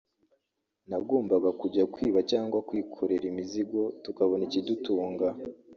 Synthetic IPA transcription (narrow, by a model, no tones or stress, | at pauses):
naɡoːmbaɡakuɟakwiːβacaːŋɡwakwiːkʰoɾeɾimiziɡo̞tukaβo̞nicidutuːŋɡa